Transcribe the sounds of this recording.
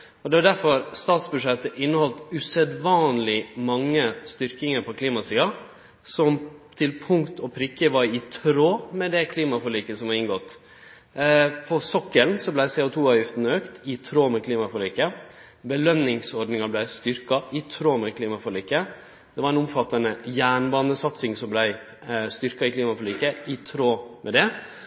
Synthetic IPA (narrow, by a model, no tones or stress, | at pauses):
ɔd̪ɛʋɑɖ̪æɾfɔɾst̪ɑːt̪sbʉʂɛt̪ːəʔɪnːəhɔlt̪ʉsɛd̪ʋɑːnlɪmɑŋːəst̪ʏɾkɪŋəɾpʰɔkʰliːmɑsiːɑ | sɔmt̪ʰɪlpʰʊŋkt̪ɔpʰɾɪkːəʋɑɾɪt̪ʰɾoːmɛd̪ɛkʰliːmɑfɔliːkəsɔmhɑɾɪŋɡɔt̪ | pʰɔsɔkːəlnsɔblæɪsɛːʊt̪ʰuːɑːʋjʏft̪n̩øːkt̪ɪt̪ʰɾoːmɛkʰliːmɑfɔliːkə | bəlœnnɪŋsɔɾɖnɪŋɑblæɪst̪ʏɾkɑɪt̪ʰɾoːmɛkʰliːmɑfɔliːkə | d̪̥ɛʋɑɾɛnʊmfɑt̪ːɑnəjæːɳbɑːnəsɑt̪sɪŋsɔmblæɪ | st̪ʏɾkɑɪkʰliːmɑfɔliːkəɪt̪ʰɾoːmʔɛd̪ɛ